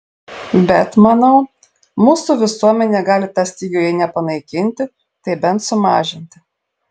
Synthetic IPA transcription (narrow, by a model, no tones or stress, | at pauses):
bʲɛt̪mɐnɐʊ | muːsuːʋʲɪsuɔmʲɛnʲeːɡɑːlʲɪt̪ɑsʲt̪ʲiːɡʲojɛnʲɛpɐnɐɪkʲɪnʲt̪ʲɪ | t̪ɐɪbʲɛnt̪sʊmɑːʒʲɪnʲt̪ʲɪ